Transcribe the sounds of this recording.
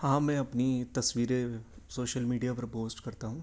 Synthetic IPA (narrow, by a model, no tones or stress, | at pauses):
hãːmɛ̃ɐpnit̪ɐsʋiːɾe | soːʃəlmiːɖijapɐɾpoːsʈkɐɾt̪aɦũː